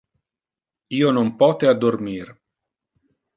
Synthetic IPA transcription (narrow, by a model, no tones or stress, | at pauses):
iːonompɔːt̪ead̪ːormir